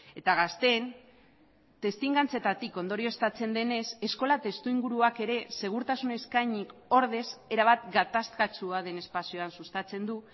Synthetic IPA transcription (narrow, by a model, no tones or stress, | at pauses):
e̞t̪aɣast̪e̞n | t̪e̞st̪iŋɡant͡se̞t̪at̪iko̞nd̪o̞ɾio̞st̪at͡se̞nd̪e̞ne̞se̞sko̞lat̪e̞st̪uiŋɡuɾuake̞ɾe̞se̞ɣ̞uɾt̪asune̞skaɲiko̞ɾðe̞se̞ɾaβat̪ɡat̪askat͡ʃuaðe̞ne̞spasio̞ansust̪at͡se̞nd̪u